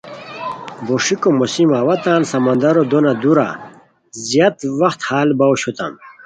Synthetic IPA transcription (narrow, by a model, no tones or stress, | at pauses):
boʂikomosimaːwɐt̪aːnsɐmɐnd̪ɐɾod̪onad̪uɾa̰ | zjat̪wɐxt̪haːlbɐwɕut̪ɐ̰m